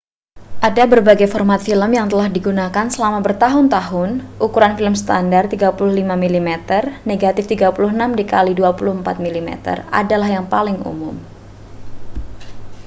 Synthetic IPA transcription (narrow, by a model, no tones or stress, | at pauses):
ʔadabərbaɡajfɔrmat̪filəmjaŋt̪əlahdiɡunakansəlamabərt̪aɦʊnt̪aɦʊnʔukuɾanfiləmst̪andart̪iɡapulʊhlimamilimɛt̪ərneɡat̪ɪft̪iɡapulʊhnamdikaliduapulʊhəmpat̪̚milimɛ̰t̪ə̰ra̰dalahjaŋpalɪŋṵmʊ̰m